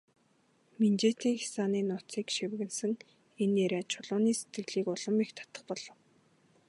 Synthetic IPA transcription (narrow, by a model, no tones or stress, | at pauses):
mint͡ɕeːt̪iːŋxi̥saːniːnʊt͡siːkʃiwɣɘ̆nsɘ̆ŋ | eneɾeːt͡ɕʰʊɮʊːniːse̥t̪ɡɘ̆ɣɮiːkʊɮə̆mikt̪ʰḁt̪ə̆χpɔɮ̥ɞ̆w